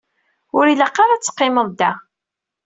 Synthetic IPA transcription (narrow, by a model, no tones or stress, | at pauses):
ʊɾilaqːɑɾat͡sːə̥qːɪməðˤd̪æ